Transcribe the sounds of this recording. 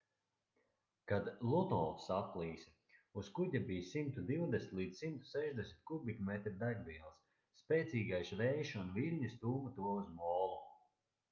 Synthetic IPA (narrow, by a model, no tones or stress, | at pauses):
kad̪lˠut̪ɔlˠsaplˠiːs | uskuɟʲabijsimt̪ud̪iwd̪esnʲi̥t̪lˠiːd̪ssimt̪u̥sɛʒd̪ɛsʲmʲit̪̚ʲkubikmɛt̪ɾd̪ajbiɛlˠsː | pʲɛːt̪sʲiːɡajʃvɛjʃunvilʲɲist̪uːmat̪uɔuzmɔːlˠu